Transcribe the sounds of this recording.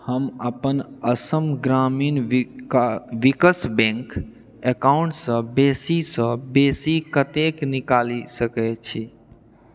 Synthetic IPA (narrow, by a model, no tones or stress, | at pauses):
həməpənəsəmɡɾamin | ʋikəsbẽŋk | ekaʊɳʈsə̃besisə̃besikət̪eknikalisəkɛt͡ʃʰi